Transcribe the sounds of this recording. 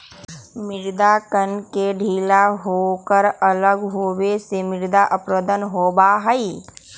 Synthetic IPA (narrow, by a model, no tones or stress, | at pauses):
mɪɾd̪akənkeɖʱiːlaɦokəɾələɡɦoːwesemɪɾd̪aʔəpɾəd̪ənɦoːbaɦəi